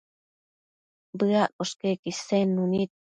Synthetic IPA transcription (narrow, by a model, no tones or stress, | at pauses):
bɨaʔoʃkekisenːunit̪̚